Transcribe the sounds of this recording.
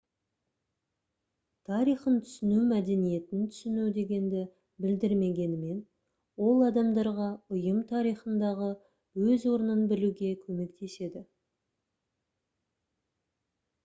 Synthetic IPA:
t̪ʰɑɾijχənt̪ʰʏ̥sɪnumæd̪e̞nije̞t̪ɪnt̪ʰʏ̥sɪnud̪e̞ɡʲe̞nd̪ɪ | bɪld̪ɪɾme̞ɡʲe̞nɪme̞n | wo̞lˠɑd̪ɑmd̪ɑɾʁɑʊjəmt̪ʰɑɾijχənd̪ɑʁə | wɵzwo̞ɾənənbɪluɡʲe̞kʲʰɵme̞kt̪e̞se̞d̪ɪ

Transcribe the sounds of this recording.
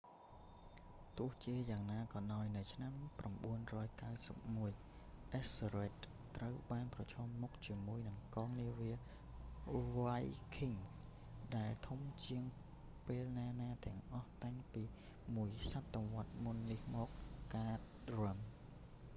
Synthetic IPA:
t̪ʊəht͡ɕiəjaːŋnaːkɑnaɔjnɨwt͡ɕʰnampramɓuənrɔːjkawsəp̚muəj | ʔɛsɾeːt̪̚ | t̪ːrəwɓaːnprɑt͡ɕʰɔːmːuk̚t͡ɕiəmuəjnɨŋkɑːŋniəʋiə | ʋajkʰiŋ | ɗaɛlt̪ʰumt͡ɕiəŋ | peːlnaːnaːt̪ɛ̆əŋʔɑht̪aŋpiː | muəjsat̪ːoʋŏət̪̚munːihmɔːk̚ːaːt̪̚rəm

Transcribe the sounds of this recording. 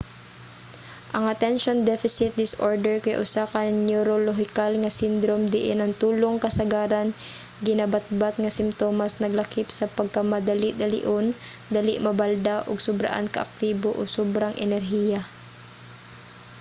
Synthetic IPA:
ʔɐŋɐt̪ɛnʃond̪ɛfɪsɪt̪̚d̪ɪsʔoɹd̪ɛɹkɐjʔʊ̰saːkɐŋnuɾoloɦɪkalŋɐsɪnd̪ɾomd̪ɪʔɛnɐŋt̪uːloŋkɐsɐɡaːɾɐn | ɡɪnabat̪̚bat̪̚ŋɐsɪmt̪oːmasnɐɡlɐkɪpsɐpɐɡ̚kɐmɐd̪ɐlɪʔd̪ɐlɪ̰ʔon | d̪alɪʔmɐbald̪aʔoɡsʊbɾa̰ʔa̰nkɐ̰ʔɐ̰k̚t̪iːboʔosobɾaŋʔɛnɛɾɦiːja

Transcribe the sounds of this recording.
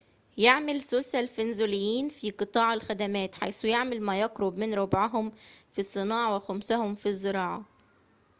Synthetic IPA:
jeʕmɪlsʊlsælfɪnzulɪjːiːnfiqɨt̪ˤɑːʕɪlxæd̪æmæːt̪ħa̰jsujaʕmɪlmæjɑqɾʊbmɪnɾobʕaɦʊmfisˤːɨnɑːʕawɪxæmsæhʊmfizːɪɾˤɑːʕɑ

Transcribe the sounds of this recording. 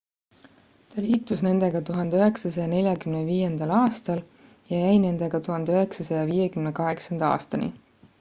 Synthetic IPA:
t̪ɑliːt̪ːˑusne̞nd̪̥e̞ɡ̥ɑt̪uɦɑnd̪eøɦe̞ksɑsɑjɑne̞lʲjɑkymneviːje̞nd̪̥ɑlɑːst̪ɑl | jɑjæjne̞nd̪̥e̞ɡ̥ɑt̪uɦɑnd̪̥eøɦe̞ksɑsɑjɑviːjekymnekɑɦe̞ksɑnd̪̥ɑɑ̰ːst̪ɑnḭ

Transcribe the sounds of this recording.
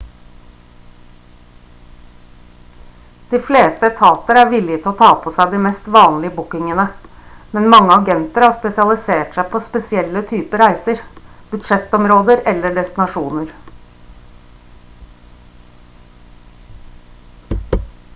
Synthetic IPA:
d̪̥iːfleːst̪əɛkt̪ʰɑːt̪əɾəæːɾʋɪlɪt̪ʰɔːt̪ʰɑːpʰɔsæɪd̪iːmɛst̪ʋɑːnlɪəbʊkɪŋənəmɛnmɑŋːəɑɡɛnt̪əɾəhɑːspɛsɪɑlɪseːʈsæɪpʰoːspɛsɪɛlːət̪ʰyːpəɾæɪsəɾb̥ʉd̪ʂɛt̪ɔmɾoːd̪əɾɛlːəɖɛst̪ɪnɑʂuːnəɾ

